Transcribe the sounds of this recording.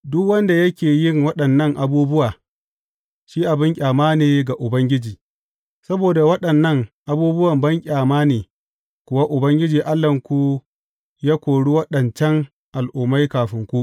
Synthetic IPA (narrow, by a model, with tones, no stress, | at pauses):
dʊ˦kwɐ˦nda˨jɐ˦kʲeː˨jɪ˦ŋwɐ˦ɗɐ˨nːɐ˦ŋʔa˨buː˦bʊ˦waː˨ | ʃiː˦ʔa˨bɪ˦ŋkʲʼaː˨maː˦neː˨ɡa˨ʔʊ˨bɐ˦ŋɡʲɪ˦d͡ʒiː˨ | sɐ˦boː˨da˨wɐ˦ɗɐ˨nːɐ˦ŋʔa˨buː˦bʊ˦wɐ˨mbɐ˦ŋkʲʼaː˨maː˦neː˨ | kʷʊ˨wa˦ʔʊ˨bɐ˦ŋɡʲɪ˦d͡ʒiː˨ʔa˦lːɐ˨ŋkʷu˦ | jaː˦kʷoː˨ɽu˦wɐ˦ɗɐ˨nt͡ʃɐ˦ŋ | ʔa˨lʔʊ˨mːa˦jkaː˨ɸɪ˦ŋkʷu˦